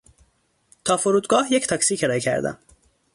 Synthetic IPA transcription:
t̪ʰɒːfoɾuːd̪ɡɒːhjekt̪ʰɒksiːkʰeɾɒːjekʰæ̰ɾd̪æ̰m

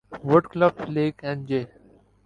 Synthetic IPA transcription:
ʋəɖkləpleːkɛ̃nd͡ʒeː

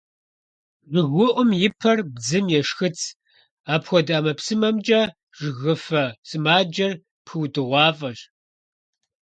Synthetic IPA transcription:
ʒɨɣʷʊʔʷʊmjɪpʰɐrbd͡zɨmjɛʂxɨt͡sʰ | aːpxʷɔdɐːmɐpsɨmɐmt͡ʃʼɐ | ʒ̥ɨɣɨfɐsɨmaːd͡ʒɐr | pxɨwdɨʁʷɑːfʼɐɕ

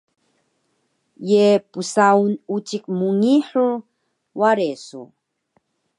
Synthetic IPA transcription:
jepusaunut͡ʃik̚muŋiħuɾ | waɾesṵ

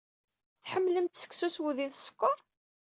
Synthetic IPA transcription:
θħəmːləmt̪sə̥ksuswuðinsə̥kːoɾˤ

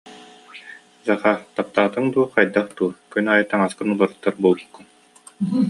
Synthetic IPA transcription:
zaχat̪ap̚t̪aːt̪ɯŋd̪uɔqajd̪aχt̪uːkynaːjɯt̪aŋaskɯnulˠaɾɯt̪ːaɾbuːlˠbukːun

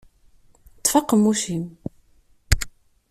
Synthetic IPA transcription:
t̪ˤːfɑqːəmːuʃim

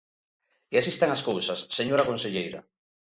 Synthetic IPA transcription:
iasist̪aŋaskowsɐsːeɲoɾakonseʎejɾa̰

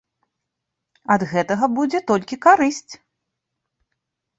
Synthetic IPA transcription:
ɐd̪ɣɛt̪ɐɣɐbud͡zʲɛt̪ɔlʲkʲikaɾɨsʲt͡sʲ

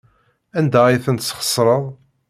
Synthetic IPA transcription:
ænd̪æiθənt̪sχə̥sˤːɾˤəðˤ

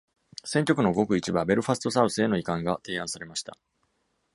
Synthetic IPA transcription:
sẽ̞ŋkʲo̞kɯ̟noɡo̞kɯ̟it͡ɕibabe̞ɾɯ̟ɸasɨt̪o̞saɯ̟sɨe̞no̞ikãŋɡat̪e̞ːãɰ̃saɾe̞maɕi̥t̪a̰

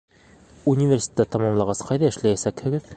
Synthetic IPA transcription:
unʲivʲersʲe̥t̪ːæt̪ɑmɑmlˠɑʁɑsqɑjðæɘ̆ʃlæjæsækhɘ̆ɡɘð

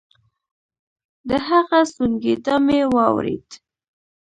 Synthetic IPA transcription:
d̪əɦaɣast̪uŋɡed̪ɑmewɑwɾḛd̪

